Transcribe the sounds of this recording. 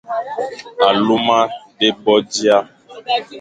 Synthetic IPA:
a˨lu˦mã˦ɖe˦bɔ˦d͡ʒi˦a˦

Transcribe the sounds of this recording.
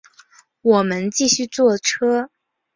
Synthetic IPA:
wɔ˨˩mə˧˦nt͡ɕi˥˩ɕy˥˧t͡swɔ˥˩ʈ͡ʂʰɤ˥

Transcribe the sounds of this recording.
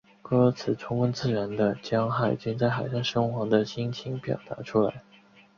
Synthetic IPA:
kɔ˥˩˥t͡sʰɹ̩˨˩t͡sʰʊ˥ŋwə˥nt͡sɹ̩˥˩ɻə˧˥nd̪ə˧t͡ɕjɑ˥ŋxa˥˩ɪt͡ɕi˥ŋt͡sa˥˩ɪxa˨˩ɪʂa˥˩nʂɤ˥ŋxwɑ˧˥d̪ə˧ɕi˥ŋt͡ɕʰi˧˥ŋpjɑ̰˨˩ʊt̪a̰˧˥ʈ͡ʂʰu˥la̰˧˥ɪ

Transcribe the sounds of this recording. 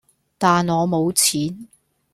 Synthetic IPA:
t̪aː˨nɔː˨˧mo˨˧wt͡sʰiː˨˥n

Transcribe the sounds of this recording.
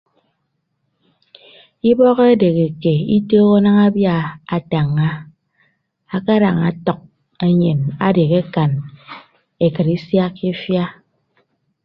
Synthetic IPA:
i˦bɔ˦ɣe˦de˨ɣe˨ke˨i˦toː˦ɣo˦na˦ŋa˦bja˦a˨ta˨ŋːa˦ | a˦ka˦ɾa˨ŋa˨tɔ˨k̚ | e˦ɲe˨na˦de˨ɣe˦ka˨n | e˨kɨ˨ɾi˦sja˦ki˦fja˦

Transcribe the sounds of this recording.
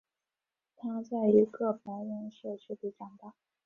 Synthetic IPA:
t̪ʰa˥t͡sa˥˩ɪy˧˥kɤ˥˩p̚ʰɤ˧˥ŋi˧˥nɕɛ˥˩t͡ɕʰy˥t̪i˧˥t͡ɕɑ˥˩ŋt̪ɑ˥˩

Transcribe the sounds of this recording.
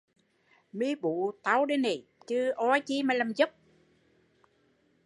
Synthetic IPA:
mi˧˦ɓu˧˨t̪a˨˦wɗe˧˦ni˨˩t͡ɕɨ˧˦ʔɔ˧˦t͡ɕi˧˦ma˨˩la˨˩mzə˦˥p̚

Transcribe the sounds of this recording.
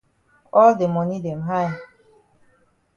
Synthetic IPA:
ɔ˦lde˨mɔ˨ni˦dɛ˨mɦa˦j

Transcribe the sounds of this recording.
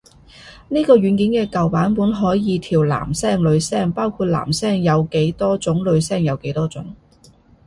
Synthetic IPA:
niː˥kɔː˧ɥyː˨˥nki˨˥nkɛː˧kɐ˨˩wpaː˨˥npuː˨˥nɦɔː˨˥jjiː˨˧t̪ʰiː˨˩wla̰ː˨˩msɛː˥˩ŋlɵ˨˧ɥsɛː˥ŋpaː˥wkʰuː˧t̚la̰ː˨˩msɛː˥ŋjɐ˨˧wke˨˥jt̪ɔː˥t͡sʊ˨˥ŋlɵ˨˧ɥsɛː˥˩ŋjɐ˨˧wke˨˥jt̪ɔː˥t͡sʊ̰˨˥ŋ

